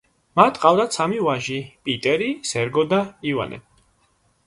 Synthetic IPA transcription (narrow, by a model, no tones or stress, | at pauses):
mat̪ʼqʼavd̪at̪sʰamivaʒipʼit̪ʼɛɾisɛɾɡɔd̪aiva̰nɛ̰